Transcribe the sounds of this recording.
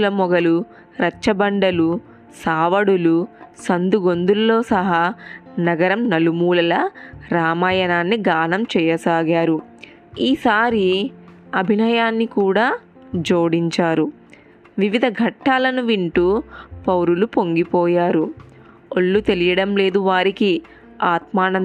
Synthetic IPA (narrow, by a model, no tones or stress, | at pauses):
lɐmɔɡɐlu | ɾɐt͡ʃːɐbɐɳɖɐlu | saːʋɐɽulusɐnd̪uɡo̞nd̪ulloːsɐɦaːnɐɡɐɾɐmnɐlumuːlɐlɐɾaːmaːjɐnaːnːiɡaːnɐmt͡ʃɛːjɐsaːɡaːɾu | iːsaːɾiɐbʱinɐjaːnːikuːɽaː | d͡ʒoːɽiɲt͡ʃaːɾu | ʋiʋid̪ʱɐɡʱɐʈːaːlɐnuʋiɳʈupɐwɾulupo̞ŋɡipɔːjaːɾu | oɭːut̪e̞lijɐɽɐmle̞ːd̪uʋaːɾiki | aːt̪maːnɐ